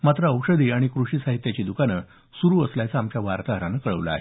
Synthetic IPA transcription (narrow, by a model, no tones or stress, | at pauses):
mat̪ɾəəwʂəd̪iːaɽ̃ikɾuɕiːsaɦit̪jat͡ɕiːd̪ukanə | suɾuːəsljat͡saːmt͡ɕjaʋaɾt̪aɦəɾanəkəɭə̰ʋla̰a̰ɦe